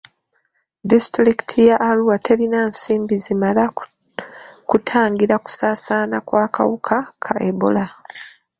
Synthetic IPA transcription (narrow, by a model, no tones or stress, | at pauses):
distɾiki̥tʰijaʔːluwatʰe̞ɾinaːnsiːmbizimala | kutʰaːŋɡiɾaku̥saːsaːnakwaːka̰wukʰakʰaʔebo̰la